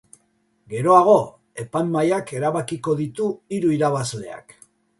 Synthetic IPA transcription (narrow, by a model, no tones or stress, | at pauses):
ɡe̞ɾo̞aɣ̞o̞ | e̞panmajake̞ɾaβakiko̞ðit̪uiɾuiɾaβazle̞̰a̰k